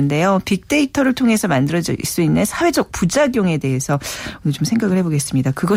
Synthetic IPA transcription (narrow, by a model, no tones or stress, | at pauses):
nde̞jopik̚t͈e̞itʰʌɾɯɭtʰoŋe̞sʰʌmandɯɾʌd͡ʑʌis͈uinːɯnsʰawe̞d͡ʑʌk̚p͈ud͡ʑaɡjoŋe̞deɦe̞sʰʌt͡ɕomsʰe̞ŋɡaɡɯɭhe̞boɡe̞s͈ɯmɲidakɯɡʌ